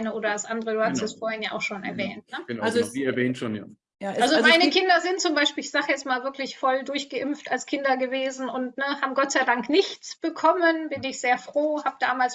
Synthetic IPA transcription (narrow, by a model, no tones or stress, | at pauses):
nəʔoːdɾɐdasʔandəʁəduːhatəsttɛsfoːɐhɪnjaːʔaʊxʃoːnɛ̰ɐvɛːnt̚nə̥ənazviːɛɐvɛːntʃoːnja̰ː | ʔjalzomaɪnəkʰɪndɐzɪnt̚t͡sʊmbaɪʃpiːlɪçz̥aːχəjɛt͡stmaːlvɪɐklɪçfɔldʊɐçɡ̥əʔɪmftalskʰɪndɐɡəveːzn̩ʊntnəhaːbm̩ɡɔtt͡saɪdaŋknɪçt͡sb̥əkʰɔmənbɪnɪçz̥eːɐfʁ̥oːhaːbəd̥aːmaːls